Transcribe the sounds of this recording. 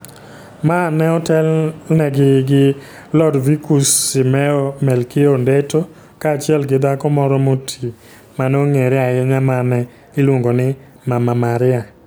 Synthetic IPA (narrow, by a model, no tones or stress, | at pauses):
manɛɔtɛlnɛɡɪɡɪ | lɔdvikusːɪmɛomɛlkɪondeto | kaːt͡ʃɪɛlɡɪd̪akɔmɔɾɔmotʰi | manoŋeɾɪaɛɲamanɛ | ɪlwoŋɡonɪ | mamamaɾɪa